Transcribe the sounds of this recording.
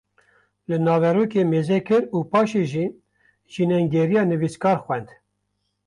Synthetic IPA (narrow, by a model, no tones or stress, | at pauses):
lɨnɑːvɛɾuːkeːmeːzɛkʰɨɾuːpɑːʃeːʒiː | ʒinɛŋɡɛɾijɑːnɨviskɑːɾxwɛnd̪